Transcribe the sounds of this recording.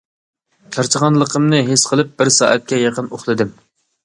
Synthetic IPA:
t͡ʃʲʰɑɾt͡ʃʰəʁɑnlˠəqʰəmnɨɦesqʰəlˠɨp̚b̥ɪɾsɑ̰ːʔɛt̪̚kʲɛjɑqənoχlˠɨd̪ɨm

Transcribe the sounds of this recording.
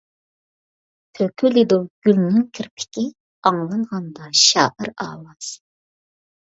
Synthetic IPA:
t̪ʰøkʲʰylid̪oɡ̥ʲylnɪŋkʲʰɪɾpʰɪ̥kʲi | ɑŋlˠɑɴʁɑnd̪ɑʃɑːʔəɾɑ̰ːwɑz̥

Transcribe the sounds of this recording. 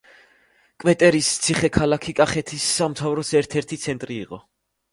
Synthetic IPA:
kʼvɛt̪ʼɛɾist̪sʰiχɛkʰalakʰikʼaχɛt̪ʰisːamt̪ʰavɾɔsɛɾt̪ʰɛɾt̪ʰit̪sʰɛnt̪ʼɾiːqʼɔ

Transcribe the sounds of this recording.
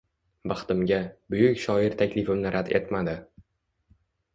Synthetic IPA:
bɑχt̪ɪmɡʲabʊjʊkʲʃɒɪɾt̪ʰakʲlɪfɪmnɪɾʔad̪e̞̰t̪mad̪ɪ

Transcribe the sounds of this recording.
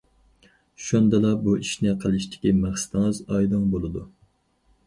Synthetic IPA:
ʃund̪ɨlˠɑbuʔiʃnɪqʰəlˠɨʃt̪ʰɪ̥kʲimæχsɪ̥t̪ɨŋɨzɑjd̪ɨŋbolˠɨd̪u

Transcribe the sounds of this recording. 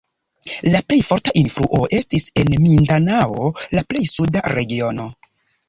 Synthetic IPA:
laple̞jfo̞ɾtaʔinfɾṵʔo̞ʔe̞stise̞nmindanaolaple̞jsudaɾe̞ɡio̞no̞

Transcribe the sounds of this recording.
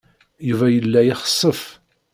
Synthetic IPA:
juvæjəlːæjɪχə̥sˤːəf

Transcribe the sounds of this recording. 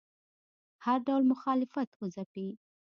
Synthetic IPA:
haɾɖawlmʊxɑlɪfat̪uzapi

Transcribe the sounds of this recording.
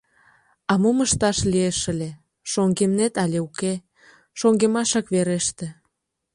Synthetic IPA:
ɑmoməʃt̪ɑʃlieʃəlʲe | ʃoŋɡemnet̪ɑlʲeuke | ʃoŋɡemɑʃɑkβeɾeʃt̪ĕ

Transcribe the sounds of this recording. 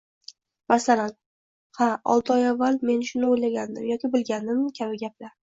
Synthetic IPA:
masalan | haɒ̰lˠt̪ʰɨɒjavːalme̞nʃʊnɪojlaɡʲand̪ɪmjɒkʲɪbɪlɡʲand̪ɪmkʲʰabɪɡʲap̚laɾ

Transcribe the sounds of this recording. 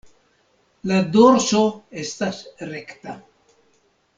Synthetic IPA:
lad̪oɾsoest̪asrekt̪a

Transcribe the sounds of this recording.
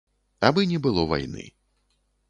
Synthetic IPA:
abɨnʲɛbɨlˠɔva̰jnɨ̰

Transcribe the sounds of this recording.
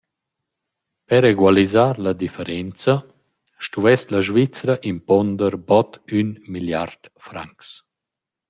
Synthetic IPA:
pɛɾeɡwalizaɾlad̪ifəɾɛnt͡sa | ʃtuvɛslaʒvit͡sɾaʔimpɔnd̪əɾbɔt̪ynmilja̰ɾd̪̥fɾa̰ŋks

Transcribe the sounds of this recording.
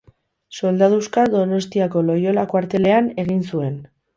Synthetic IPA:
so̞ld̪aðuskaðo̞no̞st̪iako̞lo̞jo̞lakwaɾt̪e̞le̞ane̞ɣ̞insue̞n

